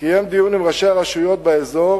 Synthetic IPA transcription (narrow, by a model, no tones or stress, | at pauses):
kije̞md̪ijunimʁaʃeaʁaʃujo̞t̪̚beezo̞ʁ